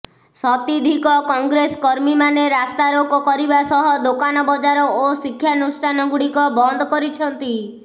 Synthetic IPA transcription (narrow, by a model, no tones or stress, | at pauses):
sɔt̪id̪ʱikɔkɔŋɡɾeskɔɾmimaneɾast̪aɾokɔkɔɾibasɔɦɔd̪okanɔbɔd͡ʒaɾɔosikʰːjanusʈʰanɔɡuɽikɔbɔnd̪ʱɔkɔɾit͡ʃʰɔnt̪i